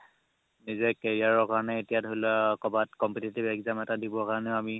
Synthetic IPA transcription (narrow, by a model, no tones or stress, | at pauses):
nizɛkɛɹiaɹɔɹkaɹɔnɛetijatolakɔbatkɔmpɛtitibɛkzamɛtadibɔkaɹɔnɛʊami